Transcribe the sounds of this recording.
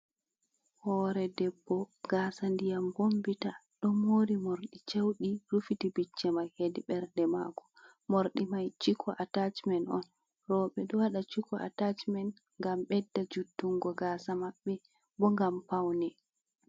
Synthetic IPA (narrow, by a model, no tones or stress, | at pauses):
hɔːɾɛdɛbːɔɡasandijambombitaɗɔmoːɾimoɾɗit͡ʃewɗiɾufitibit͡ʃːɛmajhediɓɛɾdɛma̰kɔ̥ | moɾɗimajt͡ʃikʰɔʔatat͡ʃmɛnɔ̰n | rɔɓɛɗɔwaɗat͡ʃikʰɔa̰tat͡ʃmɛn | ŋɡamɓɛdːad͡ʒutːuŋɡɔɡaːsamaɓːɛ | bɔŋɡampawnɛ